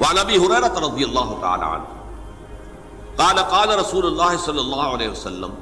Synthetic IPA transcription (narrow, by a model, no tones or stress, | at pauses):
wɐʕanʔɐbiːɦʊɾeːɾɐt̪ɾˤɑd̪ɪjɐlˤːaːɦʊt̪aʕa̰ːla̰ːʕa̰n | qɑːlɐqɑːlɐɾˤɐsuːlʊlːaːɦɪsɐlːɐlˤːɑːɦʊaleːɦɪwɐsɐlːɐ̰m